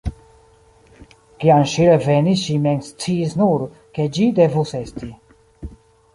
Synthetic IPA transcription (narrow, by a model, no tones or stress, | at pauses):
kianʃiɾɛvɛniʃimɛŋst͡sʰisnuɾ | kʰɛd͡ʒid̪ɛvusɛst̪ʰi